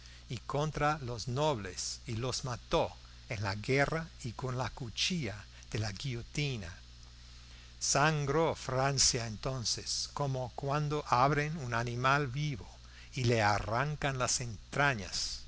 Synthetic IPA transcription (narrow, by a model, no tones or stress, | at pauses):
ikõnt̪ɾaloznoβlesilozmat̪o | enlaɣeraikonlakut͡ʃia | ð̥elaɡiot̪ina | saŋɡɾofɾansjaent̪onseskomokwand̪oʔaβɾenunanĩmalβiβo | ilearaŋkanlasent̪ɾaɲa̰s